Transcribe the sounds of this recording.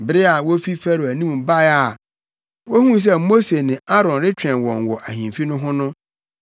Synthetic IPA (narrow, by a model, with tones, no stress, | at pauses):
bɪ˨ɾɪ˦a˨wo˦fi˦fæ˦ɾʊ˨æ˨nĩ˦m˨ba˦a˨ | wo˦hũ˦n˦s̬ɛ˦mo˦se˨nɪ̃˨a˦ɾɔ̃˨nɾɪ˦t͡ɕᶣɛ̃˨nwɔ̃˨nwɔ˨ʔæ˨hĩ˨m˨fi˦nʊ̃˦ɦʊ̃˦nʊ̃˦